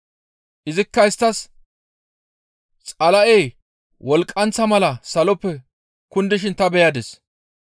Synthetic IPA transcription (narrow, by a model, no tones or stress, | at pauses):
ʔɪzɪkːɐɪst̪ːɐs | t͡sʼɐlɐʔej | wʔɔlkʼːɐnt͡sːɐmɐlɐsɐlɔpːɛ | kʊnd̪ɪʃɪnt̪ɐbɛjɐd̪ɛs